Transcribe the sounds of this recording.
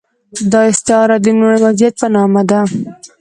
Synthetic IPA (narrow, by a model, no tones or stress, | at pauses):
d̪ɑɪst̪ɪɑɾad̪ənoɾwazijat̪̚pənɑmad̪a